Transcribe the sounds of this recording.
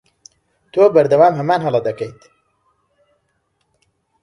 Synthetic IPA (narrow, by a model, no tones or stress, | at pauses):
t̪ʰoːbɐɾd̪ɐwaːmɦɐmaːnɦɐlɐd̪ɐkɐjt̪